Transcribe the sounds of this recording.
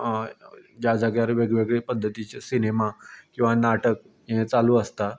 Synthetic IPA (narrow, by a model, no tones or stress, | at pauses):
d͡ʑjad͡zəɡɭjaɾʋeɡʋeɡɭepəd̪ʱːət̪it͡ɕesinemakĩw̃ʋanaʈək̚ | jiẽt͡saluːəst̪a